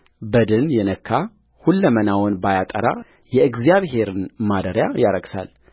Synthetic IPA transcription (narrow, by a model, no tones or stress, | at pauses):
bəd̪ɨnjɛnəkʰːa | hulːəmənawɔnbajat̪ʼəɾa̰ | jɛɨɡzijaβɦe̞ɾɨnmad̪əɾja̰jaɾəɡsa̰l